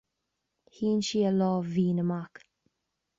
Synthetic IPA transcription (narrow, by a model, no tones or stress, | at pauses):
hiːnʃiəlɔːviːnəmak